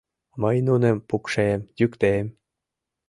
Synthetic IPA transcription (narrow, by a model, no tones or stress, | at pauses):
mɤjnunempukʃemjykt̪em